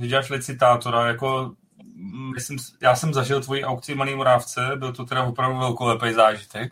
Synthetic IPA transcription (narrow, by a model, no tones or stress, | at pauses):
ʒɛɟɛaːʃlɪt͡sɪt̪aːt̪o̞ɾajako̞ | mɪsɪmsjaːsɛmzaʒɪlt̪vo̞jiːʔawkt͡sɪmaliːmo̞ɾaːft͡sɛbɪlt̪ot̪ɛdavopɾavduvɛlkolɛpɛjzaːʒɪt̪ɛk